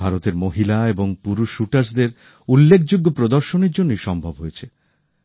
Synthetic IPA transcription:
aɾot̪eɾmoɦilaeboŋpuɾuʃuʈaɾsd̪eɾ | ulːekʰd͡ʑoɡːopɾod̪oɾʃoneɾd͡ʑonːijʃɔmbʱobɦojet͡ɕʰe

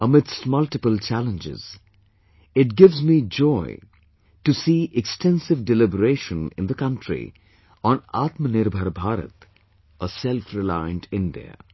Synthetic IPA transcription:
əmɪdstmʌlʈɪpəlt͡ʃælə̃nd͡ʒɪ̰z̥ | ɪʈ̚ɡɪvzmid͡ʒɔɪ | ʈusiːʔɛksʈɛ̃nsɪvɖɪlɪbəɾeːʃə̃nɪ̰̃nd̪əkʌ̃nʈɾḭ | ɔ̃na̰ːt̪mənɪɾbʱəɾbʱaːɾə̰t̪ | əsɛlfɾɪlãɪə̃nʈɪ̃nɖḭə̰

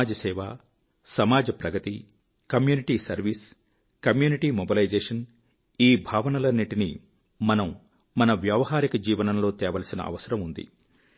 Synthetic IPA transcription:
aːd͡ʒɐsɛːʋaː | sɐmaːd͡ʒɐpɾɐɡɐt̪i | kɐmjuːniʈisɐ̰ɾʋis | kɐmjuːniʈiːmobilɐjd͡ʒeːʂɐn | iːbʱaːʋɐnɐlɐnːiʈini | mɐnɐm | mɐnɐʋjɐʋɐɦaːɾikɐd͡ʒiːʋɐnɐmlo̞ːt̪ɛːʋɐlɐsinɐ̰ʔɐ̰ʋɐsɐɾɐmund̪ḭ

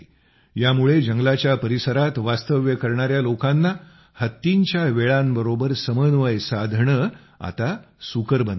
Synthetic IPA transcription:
jamuɭed͡ʑəŋɡlat͡ɕjapəɾisəɾat̪ʋast̪əʋjəkəɾɳaɾjalokãnːa | hət̪ːiɲt͡ɕjaʋeɭambəɾobəɾsəmənʋəjsad̪ʱɳə | a̰t̪a | sukəɾbən

